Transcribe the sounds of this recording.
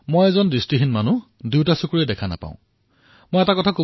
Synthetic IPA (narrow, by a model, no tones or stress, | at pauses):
mojɛzɔndɹistiɦinmanu | diwtasukuɹidɛkʰana̰pã̰ʊ̃ | mojɛtakɔtʰako